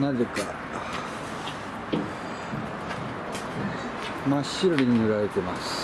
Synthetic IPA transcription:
nazeka | maɕːiɾoɾiɲinɯɾaɾet̪e̞masɨ̥

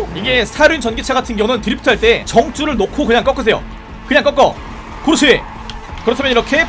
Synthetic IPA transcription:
iɡe̞sʰaɾint͡ɕʌnɡit͡ɕʰaɡatʰɯnɡjʌŋɯntɯɾipʰutʰʌɦaɭt͈e̞t͡ɕʌŋt͡ɕ͈uɾɯɭnokʰokɯɲaŋk͈ʌk͈ʌs̬ʰe̞jo̰ | kɯɲaŋk͈ʌk͈ʌ | kɯɾɯt͡ɕʰeḛ | kɯɾʌtʰamʌniɾʌkʰe̞

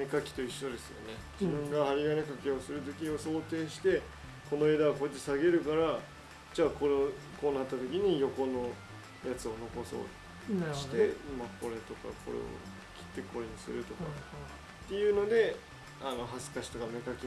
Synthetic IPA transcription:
e̞kakʲi̥t̪o̞iɕːo̞d̪e̞sɨjo̞̰ne̞d͡ʑibɯ̟̃ŋɡaaɾʲiɡanekake̞o̞sɨɾɯ̟t̪o̞kʲio̞so̞ːt̪e̞ːɕi̥t̪e̞ | ko̞no̞e̞ːd̪aβako̞et̪̬ːesaɡe̞ɾɯ̟kaɾa | d͡ʑaːko̞ɾkoːnat̪ːat̪o̞kʲiɲ̟ijo̞ko̞no̞ | jat͡sɨo̞no̞ko̞so̰ːt | ɕi̥t̪e̞mako̞ɾe̞t̪o̞ka̰kʰo̞̰ɾḛo̰ | kʲi̥t̪ːe̞ko̞ɾeɲ̟isɨ̰ɾɯ̟t̪o̞ka | t̪ːe̞jɯ̟ːno̞d̪e̞ | ano̞ɦazɨ̥kaɕi̥t̪o̞kame̞kakʲi

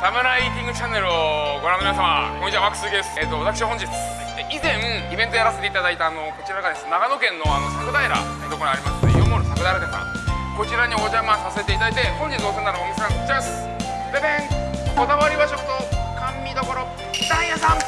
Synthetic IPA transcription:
ɾamɯɾait̪ʲĩŋɡɯ̟t͡ɕanːe̞ɾɯoɡoɾãnːominas̬ama̰koɲit͡ɕiβaβakɯ̟̥sɨɡieset̪ːo̞βat̪akɯɕiahõ̞ɲd͡ʑit͡sɨ̥ | d̪eʔizẽ̞ŋibẽ̞nt̪o̞jaɾase̞t̪e̞it̪ad̪ait̪aːno̞ko̞t͡ɕiɾaɡad̪e̞sɨnenaɡanokẽ̞nːo̞ano̞sakɯ̟d̪aeɾa̰ | et̪okoɾaɾʲimasɨ̥t̪ejomoɾsakɯd̪aeɾad̪esa̰kot͡ɕiɾaɲiod͡ʑamasase̞t̪e̞it̪ad̪ait̪e̞hõɲd͡ʑid̪o̞ːsenːanookissãŋkokt͡ɕs | bebẽŋko̞d̪aβaɾʲiβad͡ʑot̪okʰamʲːid̪o̞ko̞ɾo | t̪ãjasãŋ

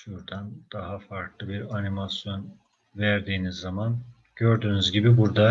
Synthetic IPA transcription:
ʃuɾd̪and̪̥aɦafaɾklˠɯbiɾanimasjo̞n | væɾd̪iːnizːaman | ɟ̥øɾd̪yːnyzɟibibuɾd̪a

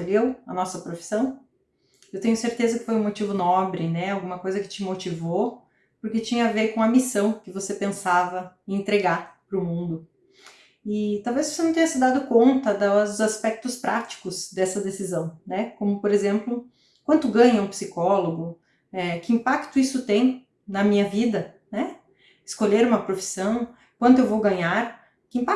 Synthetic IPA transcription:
ʎewɐ̰nɔsɐpɾofi̥sɐ̃w̃ | ewt̪ẽɲʊseɾt̪ezɐkɪ̥fojũmot͡ʃivʊnɔbɾɪnɛawɡũmɐkojzɐkɪ̥t͡ʃɪmot͡ʃivo | pʊɾket͡ʃĩɲɐaveɾkõɐmisɐ̃w̃kɪvosepẽsavɐɪẽnt̪ɾeɡaɾpɾʊmũnd̪ʊ | ɪt̪awvezvosenɐ̃t̪ẽɲɐsɪd̪ad̪ʊkõnt̪ɐd̪ɐzaspɛk̚t̪ʊspɾʔat͡ʃi̥kʊzd̪ɛsɐd̪esizɐ̃w̃nɛkõmʊpoɾezẽmplʊ | kwɐ̃nt̪ʊɡɐ̃ɲɐũpsikɔloɡʊ | ɛkɪĩpakt̪ʊisʊt̪ẽj̃ | nɐmĩɲɐvid̪ɐ | nɛ | ɪskoʎeɾũmɐpɾofi̥sɐ̃w̃ | kwɐ̃nd̪ʊewvowɡɐ̃ɲaɾ | kɪĩmpa

